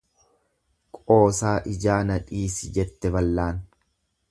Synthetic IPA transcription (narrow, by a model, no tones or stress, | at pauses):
kʼo̞ːsaːʔɪd͡ʒaːnɐᶑiːsɪd͡ʒɛt̪ːɛbɐlːaːn